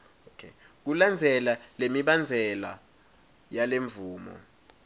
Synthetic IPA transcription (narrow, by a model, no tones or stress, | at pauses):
okʰe | k̬uland͡zʱɛlalemiɓand͡zʱɛla̰ | jaleɱvuːmɔ̰